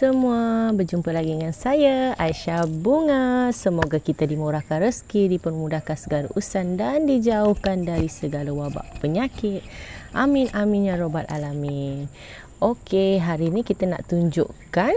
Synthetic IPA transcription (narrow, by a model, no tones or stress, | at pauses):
səmuabərd͡ʒumpəlaɡidəŋansajaaiʃabuŋasəmoɡakit̪adimuɾakanɾəskidipərmudakansəɡaɾa̰ʔusandandid͡ʒauhkandaɾisəɡalawaba̰ʔpəɲakɪt̪̚ʔamɪnaminjãɾobat̪̚a̰lami | ʔokeɦaɾinikit̪ana̰ʔt̪uɲd͡ʒṵʔkan